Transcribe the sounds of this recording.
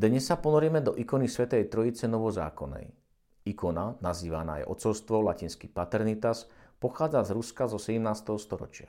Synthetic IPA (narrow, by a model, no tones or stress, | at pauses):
d̪ɲɛsːapɔnɔɾɪɛmɛd̪ɔʔikɔnisʋɛt̪ɛjt̪ɾɔit͡sɛnɔʋɔza̰ːkɔnɛ̰j | ikɔnanaziːʋana̰ːjʔɔ̰t͡sɔlst̪ʋɔlacinskipat̪ɛɾnit̪aspɔxaːd͡zazɾuskazɔsɛɟɛmnaːst̪ɛɦɔst̪ɔɾɔ̰t͡ʃɪa